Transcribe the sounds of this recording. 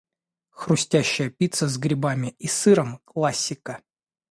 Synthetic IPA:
xrʊsʲtʲæɕːɪjəpʲit̪səzɡɾʲɪbamʲɪisɨɾəmklˠasʲːɪkə

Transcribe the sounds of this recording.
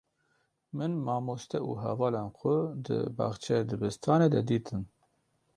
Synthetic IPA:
mɨnmɑːmoːst̪ɛʔṵːɦɛvɑːlɑːnxʷʊd̪ɨ̰bɑ̰ːxt͡ʃʰɛd̪ɨbɨst̪ʰɑːneːd̪ɛd̪iːt̪ʰɨn

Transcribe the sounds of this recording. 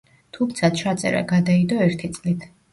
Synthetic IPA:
t̪ʰumt̪sʰat͡ʃʰat̪sʼɛ̰ɾa̰ɡad̪aid̪ɔɛɾt̪ʰit̪sʼlit̪ʰ

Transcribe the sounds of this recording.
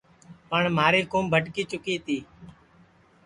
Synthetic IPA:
pəɳmaːɾiːkoːmbʱəʈkiːt͡ʃʊkiːt̪ʰiː

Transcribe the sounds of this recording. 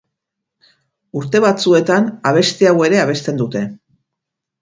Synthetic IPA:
uɾt̪e̞β̞at͡sue̞t̪anaβ̞e̞st̪iawe̞ɾe̞aβ̞e̞st̪e̞nd̪ut̪e̞

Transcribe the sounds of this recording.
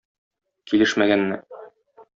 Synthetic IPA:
kilɘʃmæɡænːɘ

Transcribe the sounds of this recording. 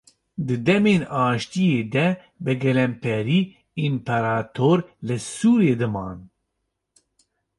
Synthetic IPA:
d̪ɨd̪ɛmeːnɑːʃt̪ijeːd̪ɛ | bɨɡɛlɛmpʰɛɾiː | impʰɛɾaːt̪ʰoːɾlɨsuːɾeːd̪ɨmɑ̰ːn

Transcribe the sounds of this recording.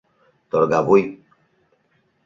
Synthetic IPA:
t̪ɔɾɡabuj

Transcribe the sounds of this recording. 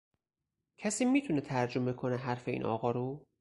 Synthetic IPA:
cʰæsiːmiːt̪ʰunet̪ʰæɾd͡ʒo̞me̞kʰoneɦæɾfeḭːnʔɒ̰ːɣɒːɾu

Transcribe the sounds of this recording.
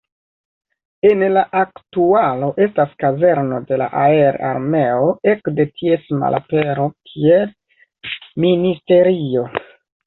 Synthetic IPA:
e̞nlaʔaktualo̞ʔe̞staskaze̞ɾno̞de̞la̰ʔae̞ɾa̰ɾme̞o̞e̞kde̞tʰie̞sma̰lʔa̰pe̞ɾo̞kʰie | ministe̞ɾio̞

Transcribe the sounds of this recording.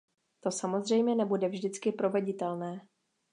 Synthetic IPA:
t̪o̞samo̞zr̝ɛjmɲɛnɛbudɛvʒdɪt͡skɪpɾo̞vɛɟɪt̪ɛlnɛː

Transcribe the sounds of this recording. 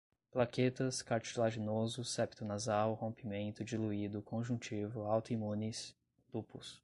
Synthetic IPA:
plaket̪ɐskaɾt͡ʃilaʒinozʊsɛpt̪ʊnazawhõmpimẽnt̪ʊd͡ʒiluid̪ʊkʰõʒũt͡ʃivʊawt̪ʊimũnɪs | lupʊs

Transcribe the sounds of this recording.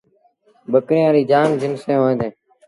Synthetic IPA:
ɓəkɾẽːaːɾiːd͡ʒaːnzɪnsẽːɦoːẽːd̪ẽː

